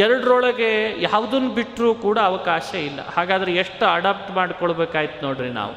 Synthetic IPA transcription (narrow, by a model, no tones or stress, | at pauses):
ɛɾɐɽɾɔɭɐɡe̞jaːʋud̪ɐnːubiʈːɾuːkuːɽɐːʋɐkaːʃɐilːɐ̰haːɡaːd̪ɐɾeeʂʈɐɖaːp̚ʈmaːɽkoɭbeːkaːjit̪unoːɽɾina̰ːʋu